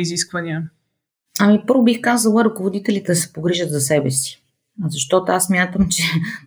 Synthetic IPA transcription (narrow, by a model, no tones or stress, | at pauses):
iziskvɐnʲiə | ɐmipɤɾvʊbixkazəlˠəɾɐkovod̪it̪ɛlit̪ɛsɛ̥poɡɾiʒət̪zɐsɛbɛsi̥ | zɐʃt̪ɔt̪oassmʲjat̪əmt͡ʃɛ